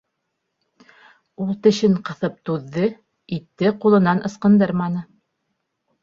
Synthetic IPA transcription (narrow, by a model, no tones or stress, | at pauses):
ulˠt̪ɘ̆ʃɘɴqɤ̆θɤp̚t̪uðːɤ | it̪ːɘqulˠɤ̆nɑnʔɤ̆sqɤ̆nd̪ɤɾmɑnɤ